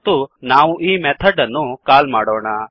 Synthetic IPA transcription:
t̪unaːʋuʔiːmet̪ʰɐɖɐnːukaːlmaːɽoːɳa

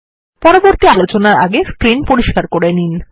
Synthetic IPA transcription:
pɔɾoboɾt̪ialot͡ɕonaɾa̰ɡeskɾinpoɾiʃkaɾkoɾenin

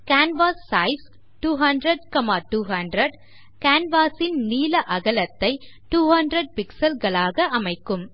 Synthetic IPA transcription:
kaːnʋaːsːɐɪs | ʈuːɦɐndɾɐɖ̚kɐmaːʈuːɦɐndɾɐɖ | kaːnʋaːsɪnniːlɐʔɐɣɐlɐt̪ːɐɪ | ʈuːhɐndɾɐɖ̚pɪksɐlɣɐɭaːɣɐʔɐmɐɪkːɯm

